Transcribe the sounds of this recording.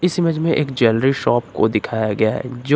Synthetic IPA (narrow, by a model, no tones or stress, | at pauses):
ɪsɪməd͡ʒmẽʔeːkd͡ʒɛːlɾiʃɔːpko̰d̪ɪkʰaːjaɡɐjaɦɛ̰d͡ʒo